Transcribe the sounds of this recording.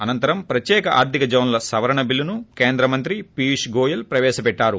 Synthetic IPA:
ɐnɐnt̪ɐɾɐmpɾɐt̪jɛːkɐʔa̰ːɾt̪ʰikɐd͡ʒɐwnlɐsɐʋɐɾɐɳɐbilːunukeːnd̪ɾɐmɐnt̪ɾipiːʂɡoːjɐlpɾɐʋɛːʃɐpɛʈːaːɾu

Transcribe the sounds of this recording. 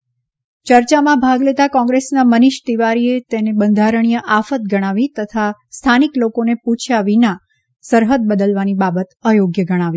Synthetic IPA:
t͡ʃəɾt͡ʃamãbʱaɡlet̪akɔ̃ŋɡɾesnaməniʃt̪iʋaɾiet̪enebənd̪ʱaɾəɽ̃ijəʔafət̪̚ɡəɽ̃aʋit̪ət̪ʰast̪ʰaniklokoneput͡ʃʰaʋina | səɾɦəd̪̚bəd̪əlʋanibabət̪əjoɡjəɡəɽ̃aʋi

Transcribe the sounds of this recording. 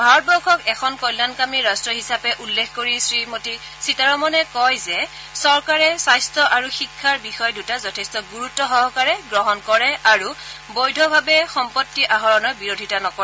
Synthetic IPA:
bʱaɹɔt̚bɔkʰɔkɛkʰɔnkɔjlːankamiɹastɹɔɦisapɛʔulːekʰkoɹisɹimoti | sitaɹɔmɔnɛkɔjzɛ | sɔɹkaɹɛsajstɹɔʔaɹuxikʰːaɹbixɔjdutazɔtʰɛstɔɡuɹutːɔɦɔɦɔkaɹɛɡɹɔɦɔnkɔɹɛaɹubojdʱɔbʱabɛxɔmpɔtːiʔaɦɔɹɔnɔbiɹodʱitanɔkɔɛ

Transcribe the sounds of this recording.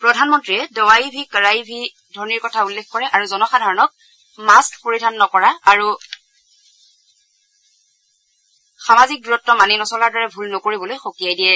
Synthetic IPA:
pɹɔdʱanmɔntɹiɛdɔwaibʱikɹajibʱi | dʱɔɹniɹkɔtʰaulːekkɔɹɛʔaɹuzɔnɔxadʱaɹɔnɔk̚ | maskpoɹidʱanːɔkɔɹaaɹu | xamazik̚duɹɔtːɔmaninɔsɔlaɹdɔɹɛbʱulnokoɹibɔlojxokiajdijɛ

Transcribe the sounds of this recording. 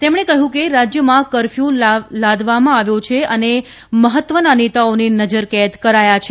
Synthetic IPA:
t̪emɽ̃ekəɦũkeɾad͡ʒjəmãkəɾfjũlalad̪ʱʋamãaʋjõt͡ʃʰeʔəne | məɦət̪ːʋənanet̪aoninəd͡ʒəɾkɛət̪kəɾajat͡ʃʰe

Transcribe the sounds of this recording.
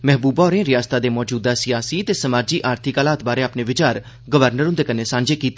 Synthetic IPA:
mɛɦbuːbɔːɾẽːɾɪjaːst̪aːd̪eːmɔːd͡ʒuːd̪aːsɪjaːsiːt̪eːsəmaːd͡ʒiːʔaːɾt̪ʰɪkaːlaːt̪̚baːɾeːaːpneːʋɪt͡ʃaːɾ | ɡəʋəɾnəɾʊ̃nd̪eːkəneːsãːɲd͡ʒeːkiːt̪e

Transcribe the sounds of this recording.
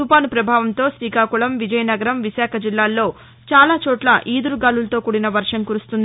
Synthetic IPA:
upaːnupɾɐbʱaːʋɐnt̪o̞ːsɾiːkaːkuɭɐmʋid͡ʒɐjɐnɐɡɐɾɐmʋiʃaːkʰɐd͡ʒilːaːlːo̞ː | t͡ʃaːlaːt͡ʃɔːʈlɐʔiːd̪uɾuɡaːlulɐt̪o̞ːkuːɽinɐʋɐɾʂɐmkuɾust̪und̪i

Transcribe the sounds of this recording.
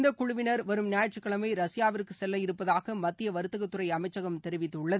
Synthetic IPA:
nd̪ɐkʊɻʊʋɪnɐɾʋɐɾɯmnjaːjɐʈt͡ʃɯkːɐɭɐmɐɪɾɐsɪjaːʋɪɾkːɯsɛlːɐjɪɾɯpːɐðaːɣɐmɐt̪ːɪjɐʋɐɾɯt̪ːɯɣɐt̪ːɯrɐɪɐmɐɪt͡ʃːɐɣɐmt̪ɛɾɯʋɪt̪ːɯʊɭːɐðɯ

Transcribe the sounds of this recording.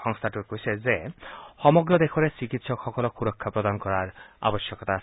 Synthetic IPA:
ɔŋst̪ʰaʈukoisʰezexɔmɔɡɾɔd̪ekʰɔɾesikit̪sɔkxɔkɔlɔxuɾɔkʰːapɾɔd̪ankɔɾaɾa̰bɔsjɔkɔt̪a

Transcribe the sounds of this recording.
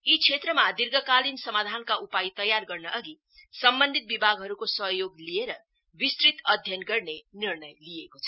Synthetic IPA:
it͡sʰet̪rʌmad̪irɡʌkalinsʌmad̪ʱankaʔupajt̪ʌjarɡʌrnʌʔʌɡi | sʌmbʌnd̪ʱit̪̚bibʱaɡɦʌɾukosʌɦjoɡlieɾʌ | bist̪rit̪ʌd̪ʱjʌnɡʌrnenirnʌjlijekot͡sʰʌ̥

